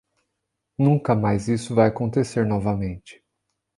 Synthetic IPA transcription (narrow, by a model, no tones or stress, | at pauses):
nũŋkɐmajzisʊvajakõnt̪eseɾnɔvɐmẽnt͡ʃɪ̥